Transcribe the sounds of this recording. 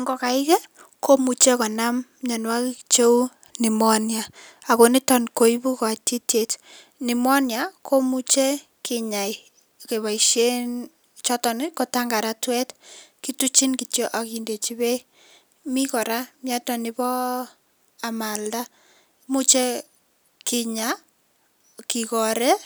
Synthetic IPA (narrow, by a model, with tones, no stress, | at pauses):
ŋɡɔ˨ka˨ɪ˦kɛ˦ | ko˦mu˨t͡ʃe˦kɔ˨na˦m | ɲa˨nwa˦kt͡ʃo˦ | ni˨mɔ˦nja˨ | a˨ko˨ni˦tɔ˨nko˨i˦bu˦kɔ˨a˨ti˦tje˨t | nɪ˨mɔ˦nja˨kʰo˦mu˦t͡ʃe˦ | kɪ˨ɲa˨i | ke˨βa˨iʃje˦n | t͡ʃɔ˦tɔ˨nko˦taŋɡa˨ɾa˦twɛ˦tki˦tu˦t͡ʃi˦nki˨tjo˦ʔa˨ki˨nde˨t͡ʃi˦be˦i | mi˦kɔ˨ɾa˦mja˦tɔ˨nɪbɔ˦ | a˨ma˨lda˦ | mu˦t͡ʃe˦ | kɪ˨ɲa | ki˨kɔ˨ɾe˦